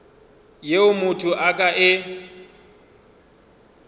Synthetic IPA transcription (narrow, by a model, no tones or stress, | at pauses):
jeʊmʊtʰʊʔakʼaʔɪ